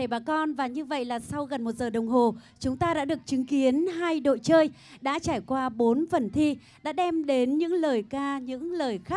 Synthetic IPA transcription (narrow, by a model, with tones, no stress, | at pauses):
e˧˩ɓaː˨˩kɔ˧nvaː˨˩ɲɨ˧və̰˧˨jlaː˨˩sa˧wɣə˨˩nmo˨˩t̚zəː˨˩ɗə˨˩wŋ͡mɦo˨˩ | t͡ɕʊ˨˦ŋ͡mt̪aː˧ɗa̰ː˧˥ɗɨ˨˩ək̚t͡ɕɨ˨˦ŋki˨˦ənɦaː˧jɗo̰˧˨jt͡ɕəː˧j | ɗa̰ː˧˥t͡ɕaː˧˩jkwaː˧ɓo˨˦nfə˨˩nt̪ʰi˧ | ɗa̰ː˧˥ɗɛ˧mɗe˨˦nɲɨ̰˧˥ŋləː˨˩jkaː˧ɲɨ̰˧˥ŋləː˨˩jxa˦˥k̚